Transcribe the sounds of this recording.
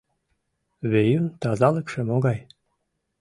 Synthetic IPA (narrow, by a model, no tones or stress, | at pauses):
βejynt̪ɑzɑləkʃemoɣɑj